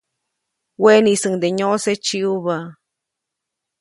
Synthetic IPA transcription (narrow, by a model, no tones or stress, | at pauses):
wenisɨŋd̪eɲoset͡ʃiuβa